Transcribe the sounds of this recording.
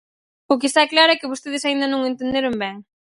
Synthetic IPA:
ʊk̬est̪aklaɾoɛkɪβost̪eðɪsaĩnd̪ɐnõŋẽnt̪ẽnd̪eɾombɛŋ

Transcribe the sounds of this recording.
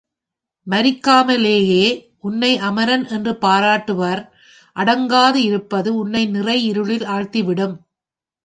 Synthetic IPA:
mɐɾɪkːaːmɐleːjeː | ʔʊnːɐɪʔɐmɐɾɐnɛndrɯpaːɾaːʈːɯʋɐɾ | ʔɐɽɐŋɡaːðɯɪɾɯpːɐðɯʊnːɐɪnɪrɐɪɪɾɯɭɪlaːɻt̪iʋɪɽɯm

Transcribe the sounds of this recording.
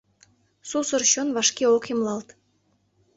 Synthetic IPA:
susə̆rɕonβɑʃkeokimlˠɑlt̪

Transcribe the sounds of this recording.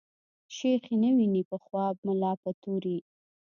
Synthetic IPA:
ʃexinəwinipəxwɑb̚mʊlɑpət̪oɾi

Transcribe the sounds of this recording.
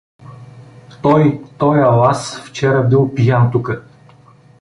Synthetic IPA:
t̪ɔjt̪ɔjalˠasft͡ʃɛɾəbilˠpijant̪ukə

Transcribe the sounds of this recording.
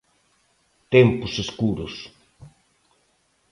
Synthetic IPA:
t̪ɛmpʊseskuɾʊs

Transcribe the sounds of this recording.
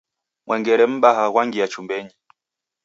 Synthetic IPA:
ŋwʔɛŋɡɛɾɛm̩ɓaɦaɣwaŋɡiat͡ʃumbɛɲi

